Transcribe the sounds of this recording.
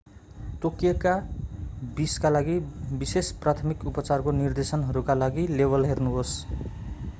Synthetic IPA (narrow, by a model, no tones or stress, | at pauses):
ʈokijʌka | biskalaɡibisesprat̪ʰʌmikupʌt͡sarkonird̪esʌnɦʌɾukalaɡilebʌlɦernuɦos